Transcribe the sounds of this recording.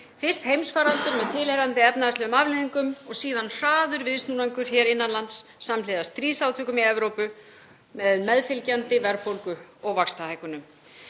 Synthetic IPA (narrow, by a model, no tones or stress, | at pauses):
fɪr̥st̪hejmsfaːɾant̪ʏɾmɛðt̪ʰɪlheɾant̪ɪɛpnaðast̪ɛːɣʏmavlɪːðiŋkʏmɔɣsiːðanr̥aːðʏɾvɪðst̪nunajŋkʏɾ̥çɛːɾɪnːanlant̪sːamlɪːðast̪ɾiːsawt̪ʰœːkʏmiɛvɾowpʏ | mɛðmɛðfɪlcant̪ɪvɛɾpowlkʏɔɣvakst̪ahaːjkʏnʏm